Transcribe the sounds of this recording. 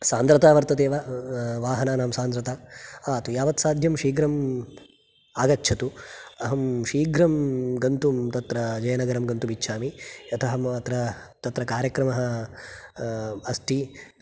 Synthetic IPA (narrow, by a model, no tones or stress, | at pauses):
saːnd̪ɾɐt̪aːʋɐɾt̪ɐd̪eːʋaʋaːɦɐnaːnaːmsaːnd̪ɾɐt̪aːɐt̪ujaːʋɐt̪saːd̪ʱjɐmʂiːɡɾɐm | aːɡɐtːʰɐt̪uɐɦɐmʂiːɡɾɐmɡɐnt̪umt̪ɐt̪ɾɐd͡ʒɐjɐnɐɡɐɾɐmɡɐnt̪umitːʃʰaːmiɐt̪ʰɐɦɐmɐt̪ɾɐt̪ɐt̪ɾɐkaːɾjɐkɾɐmɐɦɐ̆ | ɐst̪ʰi